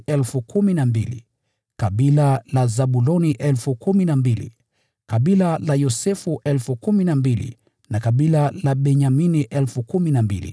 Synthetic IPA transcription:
ɛlfukuminambilḭ | kaɓilalazaɓulɔniʔɛlfukuminambilḭ | kaɓilalajɔsɛfuʔɛlfukuminambilḭ | nakaɓilalaɓɛɲaminiʔɛlfukuminambḭlḭ

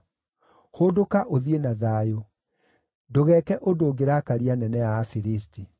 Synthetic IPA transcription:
hoːdokaʔoðienaðaːjo | doɣɛːkɛʔodoːɡeɾakaɾianɛnɛaːfiɾis̬ti

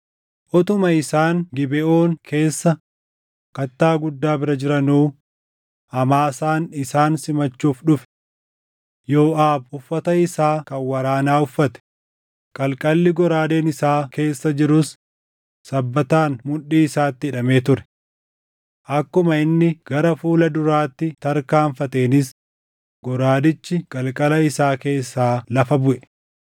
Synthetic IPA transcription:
ʔɔt̪ʊmɐɪsaːŋɡɪbɛʔo̞ːŋkʰe̞ːsːɐ | kɐt̪ːaːɡʊd̪ːaːbɪɾɐd͡ʒɪɾɐnuː | ɐmaːsaːnɪsaːnsɪmɐt͡ʃːuːfᶑʊfɛ̥ | jo̞ːʔaːbʊfːɐt̪ɐɪsaːkɐwɐɾaːnaːʊfːɐt̪ɛ̥ | kʼɐlkʼɐlːɪɡɔɾaːde̞ːnɪsaːke̞ːsːɐd͡ʒɪɾʊsː | ɐbːɐt̪aːnmʊᶑiːɪsaːt̪ːɪɪᶑɐme̞ːt̪ʊɾɛ̥ | ʔɐkːʊmɐɪnːɪɡ̥ɐɾɐfuːlɐd̪ʊɾaːt̪ːɪt̪ɐɾkaːɱfɐt̪e̞ːnɪs | ɡ̥ɔɾaːd̪ɪt͡ʃːɪkʼɐlkʼɐlɐɪsaːke̞ːsːaːlɐfɐbʊʔɛ

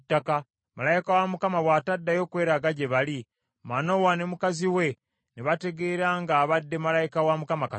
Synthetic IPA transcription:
tːaka | malajikawamukamaβwaːtadːajo̞ːkwe̞ːɾaɡaɟe̞βali | mano̞wane̞mukaziwe̞ | neβate̞ɡe̞ɾaːŋɡaːβadːe̞malajikawamukamaka

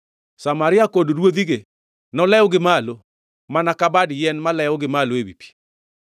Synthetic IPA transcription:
samaɾɪakoddwoðiɡe | nɔlɛɔɡɪmalo | manakabadjɛnmalɛɔɡɪmaloebipi̥

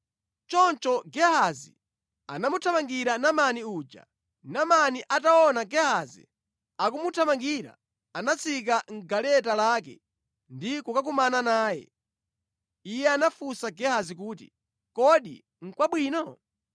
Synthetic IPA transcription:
t͡ʃɔnt͡ʃɔɡɛhazḭ | a̰namutʰamaŋɡiɾanamaniuːd͡ʒa̰ | namaniʔataɔnaɡɛhazḭ | ak̬umutʰamaŋɡiɾa̰ | anat͡sʰik̬aŋ̩ɡalɛtalaːk̬ɛ̰ | ndikukak̬umananaːjɛ̰ | ijɛanafusaɡɛhazik̬uːt̬ḭ | kɔɗḭ | ŋ̩kwaɓwiːnɔ

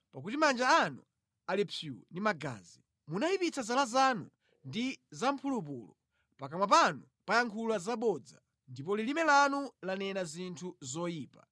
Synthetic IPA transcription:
pakutimand͡ʒaːnṵ | alipʰjṵndimaɡa̰ːzi | munaipit͡sʰazalazanṵ | ndizampʰulup̬ṵːlɔ | pakamwap̬anu | pajaŋkʰulazaɓɔd͡za̰ | ndipɔlilimɛlanulanɛnazintʰuzɔjiːpa̰

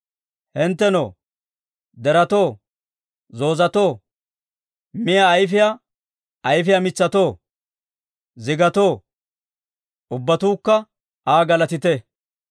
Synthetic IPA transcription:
hɪnt̪ːɛnoː | d̪ɛɾɐt̪o̞ː | zo̞ːzɐt̪o̞ː | mɪjaːjfɪja | ʔɐjfɪjamɪt͡sːɐt̪o̞ː | zɪɡɐt̪o̞ː | ʔʊbːɐt̪uːkːɐ | ʔaːɡɐlɐt̪ɪt̪ɛ

